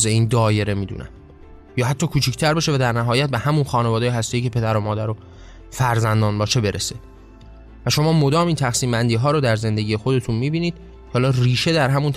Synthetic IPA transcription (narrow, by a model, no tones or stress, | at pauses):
zeiːnd̪ɒːje̞ɾe̞miːd̪ṵːnæ̰m | jɒːɦæt̪ʰːɒːkʰuːt͡ʃʰicʰt̪ʰæɾbeʃevæd̪æɾnæɦɒːjæt̪̚behæmunxɒːnevɒːd̪ejeɦæst̪e̞jiːcʰe̞pʰe̞d̪æɾomɒːd̪æɾo | fæɾzænd̪ɒːnbɒːʃebe̞ɾʔese | væʃo̞mɒːmo̞d̪ɒːmiːnt̪ʰæxsiːmbænd̪iːɦɒːɾoːd̪æɾze̞nd̪e̞ɟʲiːje̞xo̞d̪e̞t̪ʰunmiːbiːniːd̪̥̚ | kʰɒːlɒːriːʃe̞d̪æɾɦæmunt̪ʰ